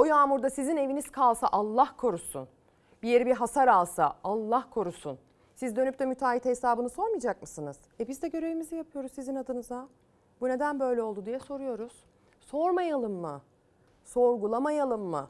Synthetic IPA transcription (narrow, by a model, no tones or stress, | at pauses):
ojaːmuɾd̪asizine̞viniz̥kʰalˠsaʔalˠːahkʰo̞ɾusun | bije̞ɾibiɦasaɾalˠsaalˠːahkʰo̞ɾusun | sizd̪ø̞nyp̚t̪ɛmyt̪ʰaːit̪he̞saːbɯnɯso̞ɾmɯjad͡ʒak̚mɯsɯnɯz̥ɛbizd̪ɛɟø̞ɾejimizijapʰɯjo̞ɾuzsizinad̪ɯnɯza | b̥une̞d̪ænbø̞jlʲɛo̞lˠd̪ud̪ijɛso̞ɾujo̞ɾuz̥ | so̞ɾmajalˠɯmːɯ | so̞ɾɡulˠamajalˠɯmːɯ̰